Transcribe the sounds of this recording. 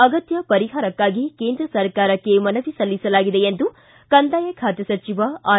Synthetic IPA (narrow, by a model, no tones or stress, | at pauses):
ɐɡɐt̪jɐpɐɾiɦaːɾɐkːaːɡike̞ːnd̪ɾɐsɐɾkaːɾɐkːe̞mɐnɐʋisɐlːisɐlaːɡid̪e̞end̪u | kɐnd̪aːjɐkʰaːt̪jɐsɐt͡ʃiʋɐaː